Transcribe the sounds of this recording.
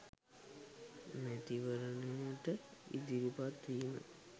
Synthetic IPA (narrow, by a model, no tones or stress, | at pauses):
met̪iʋəɾənejəʈəḭd̪iɾupat̪ʋiːmə̰